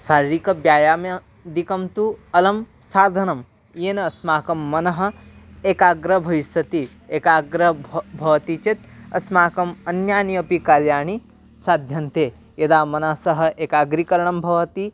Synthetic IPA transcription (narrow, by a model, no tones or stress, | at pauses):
saːɾɾikɐbjaːjaːmɐ | d̪ikɐmt̪uɐlɐmsaːd̪ʱɐnɐm | jeːnɐɐsmaːkɐmːɐnɐɦɐ̆eːkaːɡɾɐbʱɐʋisʋɐt̪i | eːkaːɡɾɐbʱɐʋɐt̪it͡ʃet̪ɐ̰smaːkɐmɐnjaːniɐpikaːljaːɳi | saːd̪ʱjɐnt̪eː | jɐd̪aːmɐnɐsɐɦɐ̆ʔeːkaːɡɾikɐɾɐɳɐmbʱɐʋɐt̪i